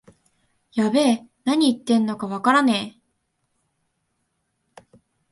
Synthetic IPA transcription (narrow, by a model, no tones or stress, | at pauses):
jabe̞ːnaɲ̟iit̪ːẽ̞nːo̞kaβakaɾaneː